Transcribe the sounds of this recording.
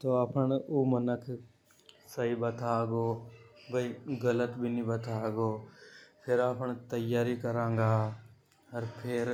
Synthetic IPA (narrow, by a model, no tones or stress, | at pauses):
t̪oːapʰəɳuːmənəkʰ | səɦibət̪ʰaːɡoːbəiɡələt̪bʱinĩbət̪ʰaːɡoːpʰɪɾaːpʰɳt̪əjaːɾikəɾãːŋɡaː | ɐɾpʰɪɾ